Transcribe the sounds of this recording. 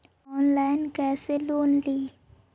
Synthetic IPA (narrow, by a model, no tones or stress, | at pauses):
ɔːnlajnkɛːseloːnliː